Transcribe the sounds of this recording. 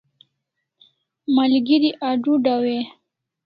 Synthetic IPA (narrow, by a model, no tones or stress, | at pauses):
malɡiɾiʔaɖuɖawe